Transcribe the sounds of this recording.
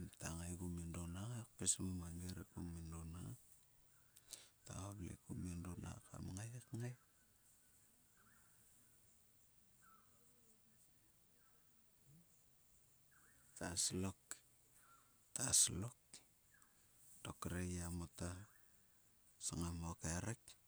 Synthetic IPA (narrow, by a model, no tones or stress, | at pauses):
mtaŋajɡumindonaŋak̚pesmumaŋɡeɾekumindonaŋa | ta̰oblḛkumindona̰ka̰mŋajakŋaj | taslok | taslok̚ | d̥okɾejamota | saŋamokeɾek̚